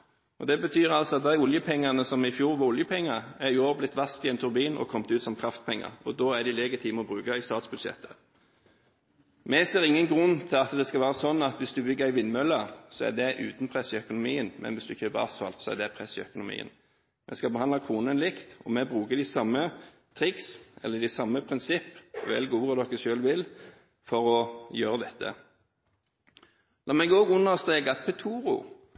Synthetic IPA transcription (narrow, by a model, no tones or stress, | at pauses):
ɔd̪ɛbət̪ʰyːɾɑlsɔɑt̪̚d̪æɪʊljəpʰɛŋːɑnəsɔmɪfjuːʁʋɑʊljəpʰɛŋːɑæɾjʊoːblɪt̪ːʋɑst̪ɪɛnt̪ʰʉɾbiːnʔɔ̰kʰɔmt̪ʉːt̪sɔmkʰʁɑft̪̚pʰɛŋːɑ̰ɾɔd̪ɔːæɖ̪ɪlɛɡət̪ʰiːməɔbʁʉːkɑɪst̪ɑːt̪sbʉd̪ʃɛ̰t̪ʰːə̥ | mɛseːɾɪŋːənɡʁʉnːt̪ʰɪlɑt̪d̪ɛskɑlʋæːɾɑsɔnːɑt̪ʋɪsd̪ʉbʏɡːəɾæɪʋɪnːmœlːɑsɔæ̰d̪ɛʔʉ̰ːt̪npʰʁɛsɪœkʊnʊmiːənmɛ̰nʋɪsd̪ʉçøːpəɑ̰sfɑ̰lt̪sɔɛ̰d̪ɛpʰɾɛsɪœ̰kʊnʊmḭːə̰n | mʔɛ̰skɑlbəhɑnd̪lɑkʰʁuːnənlɪkt̪ɔmɛbʁʉːkəd̪ɪsɑmːə | t̪ʰɾɪksɛ̰lːəɖ̪æɪsɑmːəpʰɾɪnsɪpːʋɛ̰lɡuːʁəd̪ɔkːəʃøːlʋɪl | fɔɾɔjøːʁəd̪ɛt̪ʰːə̰ | lɑːmɛɡɔːɡʊnːəʁst̪eːɡɑt̪pʰɛt̪ʰuːɾʊ̰